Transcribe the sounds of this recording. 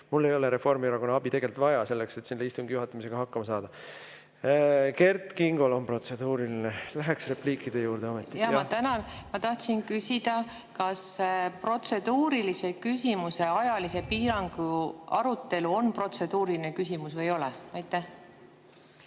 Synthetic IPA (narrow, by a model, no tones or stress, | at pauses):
mulːe̞jo̞leɾe̞fo̞rmiɑɾɑko̞nːɑɑbit̪e̞ɡe̞lt̪vɑjɑse̞lːekse̞t̪ːsinleist̪uŋɡ̥ijuɦɑt̪ˑːɑmis̬e̞ɡ̥ɑɦɑkːɑmɑsɑːd̪̥ɑ | ke̞rt̪ˑkiŋɡ̥o̞lo̞npro̞t̪se̞d̪̥uːɾilinelæɦɛksre̞pliːkːˑid̪̥ejuːɾd̪̥e̞omet̪ːˑijɑɑt̪ænɑlmɑt̪ɑht̪sinkysʲid̪̥ɑ | kɑspro̞t̪se̞d̪̥uːɾilise̞kysʲimuse̞ɑjɑlise̞piːɾɑŋɡ̥uɑɾut̪ːe̞luo̞npro̞t̪se̞d̪̥uːɾiline̞kysʲimusvejo̞lɛɑjt̪ːˑæh